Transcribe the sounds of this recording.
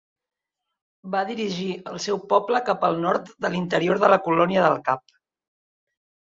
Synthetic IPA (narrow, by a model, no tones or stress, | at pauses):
baðiɾiʒiəlˠsɛwpɔpləkapəlˠnɔɾt̪d̪əlint̪əɾioɾðələkulɔniəðəlˠkap̚